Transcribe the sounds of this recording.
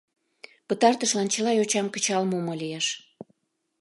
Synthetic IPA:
pət̪ɑrt̪əʃlɑnt͡ɕəlɑjot͡ɕɑmkət͡ɕɑlmomolijeʃ

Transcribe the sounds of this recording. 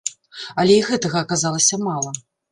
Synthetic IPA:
ɐlʲɛiɣɛt̪ɐɣɐːkazalˠɐsʲɐmalˠɐ

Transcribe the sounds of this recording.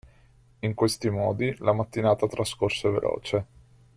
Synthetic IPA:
iŋkwest̪imɔːd̪ilamat̪ːinaːt̪at̪ɾaskorsevḛlʔɔ̰ːt͡ʃe

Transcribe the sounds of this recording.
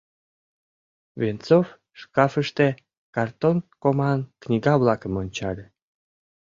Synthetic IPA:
vent͡sof | ʃkɑfəʃt̪e | kɑrt̪onkomɑnknʲiɡɑβlɑkəmonʲt͡ɕɑlʲe

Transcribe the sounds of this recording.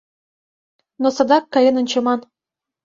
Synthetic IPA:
nosɤ̆d̪ɑkːɑjɤ̆nɤ̆nʲt͡ɕɤ̆mɑn

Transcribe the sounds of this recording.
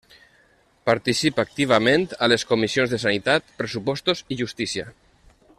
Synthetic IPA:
paɾt̪isipak̚t̪iβ̞amẽnt̪aleskomisionzðes̬anit̪at̪pɾesupɔst̪oziʒust̪isia

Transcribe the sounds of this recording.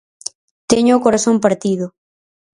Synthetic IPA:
t̪eɲʊːkoɾasompaɾt̪iðʊ

